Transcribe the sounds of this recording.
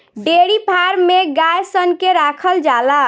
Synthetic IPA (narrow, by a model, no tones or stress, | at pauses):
ɖeɽipʰaɾmeɡajsənkeɾakʰəld͡ʒala